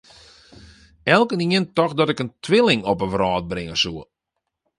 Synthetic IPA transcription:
ɛlˠkəniəntɔxdɔtɪkəntʰʋɪlɪŋɔpəʋrɔːt̚bɾɪŋəsuə

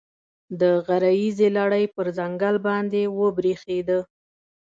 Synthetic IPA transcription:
d̪əɣaɾajizelaɽəjpəɾzaŋɡalbɑnd̪ewəbɾexed̪ə

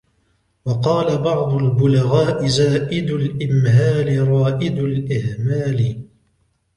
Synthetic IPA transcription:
wɑqɑːlabɑʕd̪ˤʊlbʊlaɣaːʔɪzaːʔɪd̪ʊlʔɪmhaːlɪɾˤɑːʔɪd̪ʊlʔɪhmaːlɪ

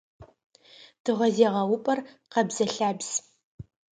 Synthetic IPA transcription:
d̥ɨʁʷɐzeːʁɐwʊpʼɐr | qɐbz̥ɐɬaːbz̥

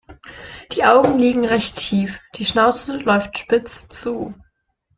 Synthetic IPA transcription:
d̥iːʔaʊɡŋ̩liːɡŋ̩ʁɛçtʰːiːfd̥iːʃnaʊt͡səlɔʏftʃpɪt͡st͡suː

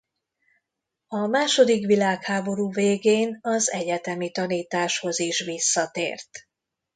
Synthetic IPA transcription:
ɒmaːʃo̞d̪ikʋilaːkhaːbo̞ɾuːveːɡeːnɒzɛɟɛt̪ɛmit̪ɒniːt̪aːʃho̞ziʃʋisːɒt̪ḛːrt̪

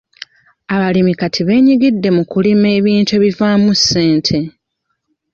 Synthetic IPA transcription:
aβalimikatʰiβe̞ːɲiɡidːe̞mukulime̞ːβiːntue̞βivaːmusːe̞ːntʰe̞

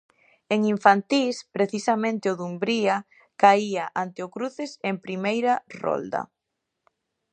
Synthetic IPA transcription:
eŋiɱfant̪ispɾeθisɐmẽnt̪ɪʊðumbɾia | kaiaʔant̪eʊkɾuθesempɾimejɾarɔ̰ld̪ɐ̰

